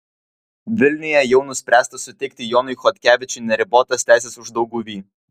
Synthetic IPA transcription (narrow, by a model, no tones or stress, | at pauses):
ʋʲɪlʲnʲɪjɛjɛʊnʊsʲpʲɾʲæːst̪ɐsʊt̪ʲɛɪk̚ʲt̪ʲɪjɔːnʊɪxɔt̪ʲkʲæːʋʲɪt͡ʃʲʊɪnʲɛɾʲɪboːt̪ɐst̪ʲæˑɪsʲesʊʒd̪ɐʊɡuʋʲiː